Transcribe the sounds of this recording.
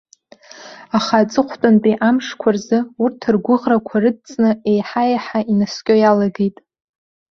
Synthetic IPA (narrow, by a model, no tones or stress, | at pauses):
aχat͡sʼɨχʷʰtʼanpʼriʔamʂkʷʰarzɨurtʰɨrɡʷʊʁrakʷʰarɨd̚t͡sʼnɨejħajaħaʔinaskʲʼojalaɡejtʼ